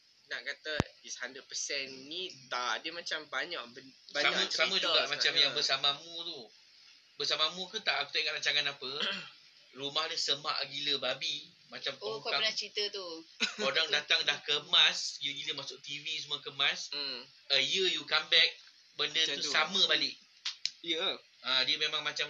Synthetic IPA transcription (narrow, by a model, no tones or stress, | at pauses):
naʔkat̪adishandɾəd̚pəsɛnːit̪aʔdəmat͡ʃambaɲaʔbəbaaasamãd͡ʒuɡaʔmat͡ʃamjaŋbəsamamut̪u | bəsamamũkut̪aʔaku̥t̪aʔiŋaʔɾaɲt͡ʃaŋanapə | rumahləsəmaʔɡiləbabi | mat͡ʃamkɔkanat͡ʃɾit̪ət̪uodaŋdat̪aŋdahkəmasjəɡiləmasʊʔ̚t̪ivisəmuakəmãs | əijəjukambɛk̚ | bəndəusamə̃balɪʔ | ijə | ãːdiəmemãŋmat͡ʃam